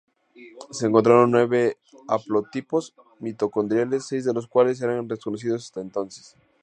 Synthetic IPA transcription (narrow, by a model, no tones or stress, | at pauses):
seːŋkont̪ɾaɾo̞nːwe̞βe | aplot̪ipo̞z | mit̪o̞kond̪ɾjele̞sːe̞jzðe̞lo̞skwales̬e̞ɾanreskonos̬iðo̞s̬ḁst̪aent̪o̞nse̥s